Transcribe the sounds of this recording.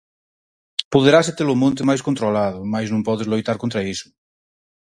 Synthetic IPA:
puðeɾaset̪elomõnt̪̬emajskont̪ɾolaðʊmajznõmpɔðezlojt̪aɾkont̪ɾaisʊ̥

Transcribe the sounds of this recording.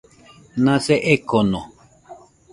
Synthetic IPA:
nãseʔekonõ

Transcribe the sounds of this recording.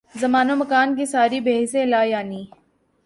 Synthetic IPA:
zɐmaːnomɐkaːnkisaːɾibeːɦsẽlaːjaːniː

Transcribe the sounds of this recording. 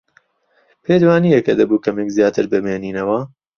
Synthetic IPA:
pʰeːd̪waːniːjɐkɐd̪ɐbuːkɐmekzjaːt̪ɨɾbɨmeːniːnɐwɐ

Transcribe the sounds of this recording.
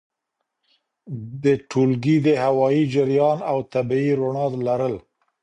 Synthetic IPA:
d̪əʈʰulɡid̪əhawɑjid͡ʒɪɾjɑnawt̪abiiɾoɳɑd̪laɾəl

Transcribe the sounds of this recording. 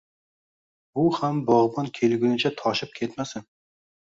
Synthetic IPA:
uhambɒʁbɒnkʲʰelɡʲynɪt͡ʃʰɛt̪ʰɒʃɪp̚kʲʰet̪masɪn

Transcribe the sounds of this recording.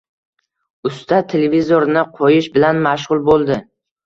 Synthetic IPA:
ʊst̪at̪ʰelevizoɾnɪqʰojɪʃbɪlanmaʃ̬ʁʊlˠbolˠd̪ɪ

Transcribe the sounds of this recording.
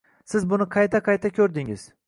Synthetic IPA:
sɪzbʊnɪqʰɑjt̪ʰaqʰɑjt̪ʰakʲʰɵɾd̪ɪŋɪz̥

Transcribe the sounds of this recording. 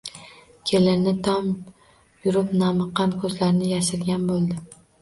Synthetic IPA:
kʲʰelɪnɪt̪ʰɒm | jʊɾɪpnamɨqʰːɑnkʰɵzlaɾnɪjaʃɪɾɡʲanbolˠd̪ɪ

